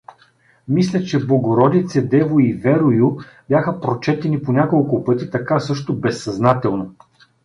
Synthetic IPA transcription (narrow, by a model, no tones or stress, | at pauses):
mislʲɐt͡ʃɛblˠoɡoɾɔd̪it̪sɛd̪ɛvʊivɛɾʊju | bʲjaxəpɾot͡ʃɛt̪ɛniponʲakolˠkʊpɤt̪it̪ɐkasɤʃt̪ʊbɛsːɐznat̪ɛlˠno